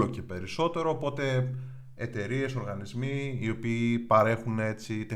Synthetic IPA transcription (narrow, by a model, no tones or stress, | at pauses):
oce̞pe̞ɾiso̞t̪e̞ɾoːpo̞t̪e̞ | et̪e̞ɾie̞so̞ɾɣɐnizmiːo̞piːpɐɾe̞xune̞t͡sit̪e